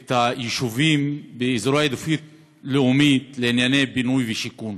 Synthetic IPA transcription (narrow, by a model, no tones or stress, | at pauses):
t̪ajeʃuvimbeizɾoaed̪ofit̪ | leumit̪leinjanejbinujveʃikun